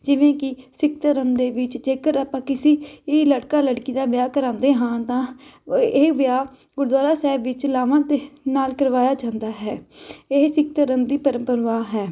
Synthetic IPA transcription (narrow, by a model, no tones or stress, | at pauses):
d͡ʒɪʋẽːkɪsɪk̚t̪əɾəmd̪eːʋɪt͡ʃd͡ʒeːkəɾaːpãːkɪsiːləɽkaːləɽkiːd̪aːbjaːkəɾãːnd̪eːɦãːt̪ãːeːʋjaː | ɡʊɾd̪waːɾaːsɛːbʋɪt͡ʃlaːʋãːd̪eːnaːlkəɾʋaːjaːd͡ʒãːnd̪aːɦɛːeːsɪk̚t̪əɾəmd̪iːpəɾəmpəɾʋaːɦɛː